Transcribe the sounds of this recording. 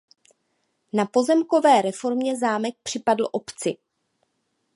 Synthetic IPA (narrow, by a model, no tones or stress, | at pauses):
napo̞zɛmko̞vɛːɾɛfo̞ɾmɲɛzaːmɛk̚pr̥ɪpadl̩ʔo̞pt͡sɪ